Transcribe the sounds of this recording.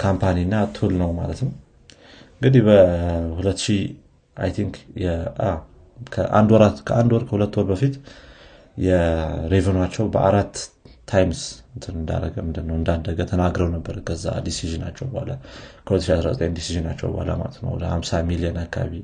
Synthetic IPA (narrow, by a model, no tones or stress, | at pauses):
kʰampʰaninːat̪ʰulnəwma̰lət̪nəw | ɨŋɡɨd̪ihbəhulət̪ːʃi | ʔa̰jt̪ʰiŋkjɛa | kʰəʔa̰nd̪wɔɾat̪kʰəʔand̪wɔɾkʰəhulət̪ːwɔɾbəfit̪ | jɛɾevənwat͡ʃːɛwbəʔaɾat̪ʰːajmsɨnt̪ʰɨnɨnd̪a̰ɾə̰ɡəmɨnd̪ɨnːəwɨnd̪ad̪ːəɡət̪ʰənaɡɾəwnəbːəɾkʰəzːa̰d̪isiʒɨna̰t͡ʃːɛwbəha̰ləkʰəulət̪ːʃiasɾazət̪ʼəjnd̪isiʒɨnat͡ʃːɛ̰wbə̰ha̰lə̰ma̰lət̪nə̰wɔ̰d̪əhamsamiliənakːaa̰βi